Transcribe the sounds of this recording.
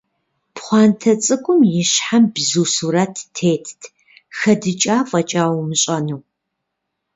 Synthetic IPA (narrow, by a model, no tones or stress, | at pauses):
pχʷɑːntʰɐt͡sʼɨkʷʼʊmjɪɕħambzuːsuɾɐtːʰeːtʰtʰ | xɐdɨt͡ʃʼaːfʼɐt͡ʃʼaːwmɨɕʼɐnuː